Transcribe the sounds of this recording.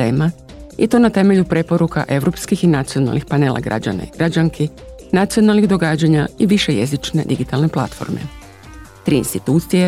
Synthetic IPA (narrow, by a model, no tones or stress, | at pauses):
eːma | ḭt̪o̞nat̪e̞me̞ʎupɾe̞poɾuka̰ʔe̞ʋɾo̞pskixinat̪sio̞na̰lnixpane̞ːlˠʔa̰ɡɾa̰d͡ʑa̰na̰iɡ̥ɾad͡ʑaŋkʰenat̪sijo̞nalniɣd̪o̞ɡaːd͡ʑaɲaiʋiʃe̞jezit͡ʃne̞d̪iɡit̪alˠne̞plˠa̰t̪fo̞̰ɾmḛ | t̪ɾḭːnst̪it̪uːt̪sije